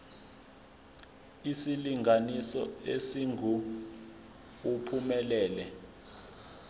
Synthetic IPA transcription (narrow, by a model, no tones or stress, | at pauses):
isiliŋɡʱanisɔ̰esiŋʱu | upʰumɛlɛːlɛ